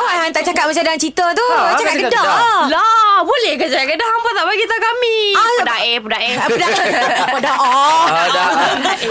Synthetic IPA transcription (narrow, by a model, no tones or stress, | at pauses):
ʔoɦant̪aʔt͡ʃakat̪̚mat͡ʃadaŋant͡ʃit̪ət̪ut͡ʃakat̪̚kədalabolɛhkət͡ʃakaʔkədaampat̪aʔbaɡit̪aukamipədaʔɛpədaʔɛaədaadaʔ